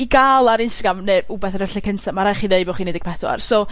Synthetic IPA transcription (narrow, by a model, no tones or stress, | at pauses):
iɡalˠaɾɪnstaɡramnɨɾʊbɛθərɛɬikʰəntʰamaɾajχiːðeɨbɔχiːnedɛɡ̚pʰɛθwa̰rsɔ